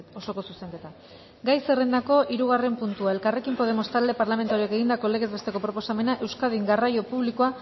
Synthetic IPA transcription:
o̞so̞ko̞suse̞ŋke̞t̪a | ɡajse̞re̞nd̪ako̞ʔiɾuɣ̞are̞mpunt̪uae̞lkare̞kimpo̞ð̞e̞mo̞st̪ald̪epaɾlame̞nt̪aɾieke̞ɣind̪ako̞le̞ɣe̞zβe̞st̪e̞ko̞pɾo̞po̞same̞naʔe̞wskaðiŋɡarajo̞puβlikoa

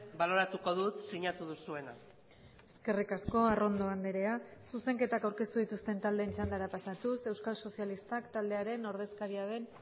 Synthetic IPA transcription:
balo̞ɾat̪uko̞ðut̪siɲat̪uðusue̞na̰ | e̞ske̞rikasko̞aro̞nd̪o̞and̪eɾe̞asuse̞ŋke̞t̪akawɾke̞st̪uðit̪ust̪e̞nt̪ald̪e̞ːnt͡ʃand̪aɾapasat̪use̞wskalso̞sijalist̪akt̪ald̪e̞aɾe̞no̞ɾð̞e̞skaɾiað̞e̞n

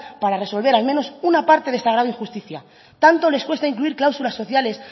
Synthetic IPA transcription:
paɾare̞so̞lβ̞e̞ɾalmeno̞sunapaɾt̪e̞ðe̞st̪aɣɾaðoĩŋxust̪iθja̰ | t̪ant̪o̞le̞skwe̞st̪aiŋkluiɾklawsulasːo̞θjale̞s

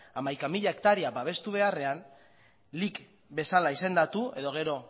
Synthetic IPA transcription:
amajkamiʎae̞kt̪aɾiabaβ̞e̞st̪uβ̞e̞are̞an | lik | be̞salaise̞nd̪at̪ue̞ðo̞ɣ̞e̞ɾo̞

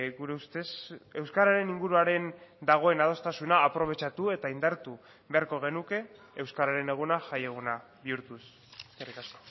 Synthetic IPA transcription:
ɣuɾe̞ust̪e̞se̞wskaɾaɾe̞niŋɡuɾuaɾe̞nd̪aɣ̞o̞e̞nað̞o̞st̪asunaːpɾo̞β̞e̞t͡ʃat̪ue̞t̪aind̪aɾt̪u | βeaɾko̞ɣ̞e̞nuke̞ː | wskaɾaɾe̞ne̞ɣ̞unaʝaje̞ɣ̞una | βiuɾt̪us | eskerikasko̞̥

